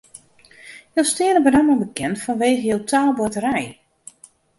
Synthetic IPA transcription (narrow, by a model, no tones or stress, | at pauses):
jolˠstɪənəbədamɔlnbəkɛntfɔnʋeːɣəjoltʰaːlˠbɔtəɾɛj